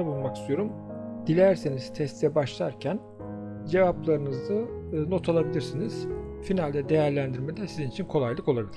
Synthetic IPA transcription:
abulˠmaki̥st̪ʰyjo̞ɾumd̪̥ilʲæɾseniz̥t̪ʰɛst̪ʰɛbaʃlˠa̰ɾcʰæn | d͡ʒe̞vaplˠaɾɯnɯzd̪aːno̞t̪ʰolˠabilʲiɾsiniz̥ | finalʲd̪ɛd̪e̞jæɾlʲænd̪iɾmed̪ɛsizinit͡ʃʰinkʰo̞lˠajlˠɯko̞lˠabilʲi̥

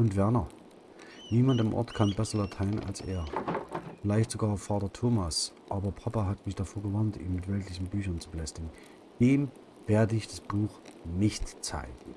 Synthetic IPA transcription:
ʔʊntv̥ɛɐnɐ | niːmantamʔɔ̰ɐtkʰanbɛsɐlatʰaɪəna̰lsʔḛːɐfɪlaɪçtz̥oɡaːɐfaːtɐtʰoːmasʔaːbɐpʰapaɦatmɪçd̥afoːɐɡəvantḭːmmɪtv̥ɛltlɪçn̩byːçɐnt͡subəlɛstɪɡŋ̩ | d̥eːm | veːɐdəɪçd̥asb̥uːxnɪçtt͡sa̰ɪɡŋ̩

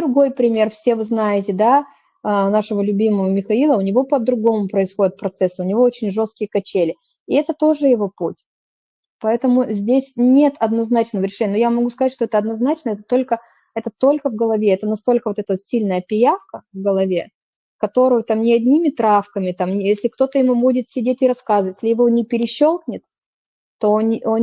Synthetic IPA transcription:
d̪ɾʊɡo̞jpɾʲɪmʲe̞rfsʲe̞vɨznajɪtʲɪd̪a | ənaʂɨvəlʲʊbʲiməvəmʲɪxɐilˠəʊnʲɪvo̞pəd̪ɾʊɡo̞mʊpɾəɪsxo̞dʲɪt̪̚pɾɐt̪sɛsɨʊnʲɪvo̞ot͡ɕɪnʲʐo̞st̪̚kʲɪjəkɐt͡ɕelʲɪ | ɪɛt̪ət̪o̞ʐɨjɪvo̞putʲ | pɐɛt̪əmʊzʲdʲesʲnʲe̞t̪ɐd̪nɐznat͡ɕnəvəɾʲɪʂɛnʲːənojamɐɡuskɐzat̚ʲʂt̪oɛt̪əɐd̪nɐznat͡ɕnəɛt̪ət̪o̞lʲkə | ɛt̪ət̪o̞lʲkəvɡəlˠɐvʲe̞ɛt̪ənɐst̪o̞lʲkəvot̪ɛt̪əvot̪sʲilʲnəjəpʲɪjafkəvɡəlˠɐvʲe̞ | kɐt̪o̞ɾʊjʊt̪amnʲɪɐdʲnʲimʲɪt̪ɾafkəmʲɪt̪amʲjesʲlʲɪkt̪o̞t̪əjɪmubudʲɪt̪sʲɪdʲetʲɪɾɐskazəvətʲlʲɪjɪvo̞nʲɪpʲɪɾʲɪɕːo̞lˠknʲɪt̪ | t̪ːo̞non

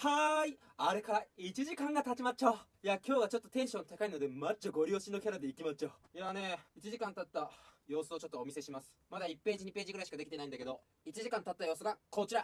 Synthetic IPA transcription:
hai | aɾe̞kaɾait͡ɕiʑikãŋɡat̪at͡ɕimat͡ɕo | jakʲo̞ːɡat͡ɕo̞t̪ːo̞̥t̪ẽ̞ɰ̃ɕõ̞nt̪akaino̞d̪e̞mat͡ɕoɡo̞ɾʲioɕinːo̞kʲaɾad̪e̞ikʲimat͡ɕojane̞it͡ɕiʑikãnt̪at̪ːajo̞ːsɨo̞t͡ɕo̞t̪ːoːmʲise̞ɕimasɨ̥mad̪aipːe̞ːd͡ʑiɲ̟ipe̞ːʑiɡɯ̟ɾaiɕi̥kad̪ekʲit̪e̞aind̪ake̞d̪o̞ | it͡ɕiʑikãnt̪at̪ːajo̞ːsɨɡakʰo̞t͡ɕiɾa

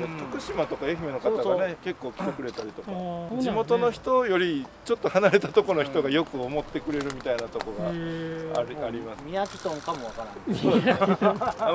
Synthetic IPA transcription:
t̪akɯ̟ɕimat̪o̞kaeçime̞no̞kat̪aɡane̞ke̞kːo̞ːkʲi̥t̪ekɯ̟ɾe̞t̪aɾʲit̪o̞kad͡ʑimo̞t̪o̞no̞çi̥t̪o̞jo̞ɾʲit͡ɕo̞t̪ːo̞hanaɾe̞t̪at̪o̞kono̞çi̥t̪o̞ɡajo̞kɯ̟omo̞t̪ːe̞kɯ̟ɾe̞ɾɯ̟mʲit̪ainat̪o̞koɡa̰aɾaɾʲimasmʲiakʲi̥t̪õŋkamoβakaɾão

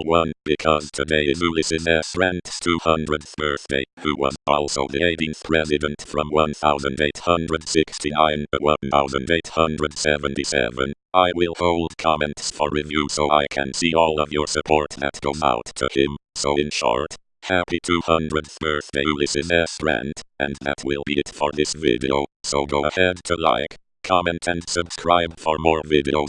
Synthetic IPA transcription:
wʌ̃nb̥ɨkʰʌz̥tʰɨdeɪɪzulɪsɪzðə˞stɹɛ̃ntstʰuhʌ̃ndɹɨdb̥ɜ˞θd̥ḛɪhuwʌ̰zɔ̰lˠsoʊðɨeɪɾĩnθpʰɹ̥ɛzɨɾə̃ntfɹʌ̃mwʌ̃nθaʊzə̃ndeɪthʌ̃ndɹɨdsɪkstʰinãɪ̃ntʰəwʌ̃nθaʊzɨ̃ndeɪt̚hʌ̃ndɹɨdsɛvə̃ntisɛ̰və̰̃n | ʔaɪwɪlˠhoʊlˠd̚kʰɑmɛ̃ntsfə˞ɹivjusoʊʔa̰ɪkʰɨ̰̃nsiɔlˠʌvjə˞sɨpʰɔɹt̪̚ðɨ̰t̚ɡ̥oʊza̰ʊtʰəɪ̃msoʊɪ̃nʃɔ̰ɹt | hæpitʰuhʌ̃ndɹɨd̚θbɜ˞θd̥eɪlɪsɪzɛstɹɛ̰̃ntɨ̰̃nðɨ̰t̚wɪ̰lˠbiɨtfə˞ðɪsvɪ̰ɾḭo̰ʊsoʊɡoʊəhɛd̚tʰəla̰ɪk | kʰɑmɛ̃ntʰɨ̃nsɨb̥skʰɹaɪbfə˞mɔɹvɪɾḭoʊ

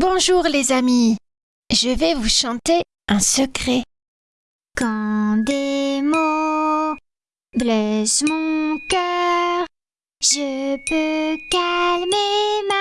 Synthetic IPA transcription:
bɔ̃ʒuʁlezami | ʒəvɛvuʃɑ̃t̪e | ɛ̃səkχɛ | kɑ̃d̪emo | blɛsmɔ̃kœʁ | ʒəpøkalmema

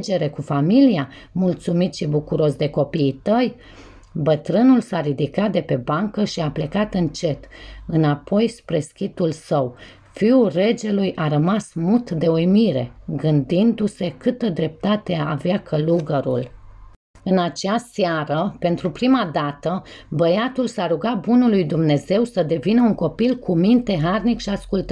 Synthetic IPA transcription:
d͡ʒe̞ɾe̞kufamilia | mult̪sumit̪ʃibukuɾo̞sd̪e̞ko̞piːt̪əj | bət̪ɾɨnulsaɾid̪ikat̪̚d̪e̞pe̞baŋkəʃiaple̞kat̪ɨnt͡ʃe̞t̪ɨnapʰo̞jspɾe̞skʲit̪ulsəw | fiulre̞d͡ʒe̞lujʔaɾəmasmut̪d̪e̞ojmiɾe̞̰ɡɨnd̪ind̪use̞kɨt̪əd̪ɾe̞p̚t̪at̪e̞aːveakʰəluɡəɾṵl | ɨnat͡ʃeasaɾəpe̞nt̪ɾupɾimad̪at̪əbəjat̪ulsaɾuɡabunulujd̪umne̞ze̞wsəd̪e̞vinəuŋko̞pilkumint̪e̞ɦarnikʃiaskult̪

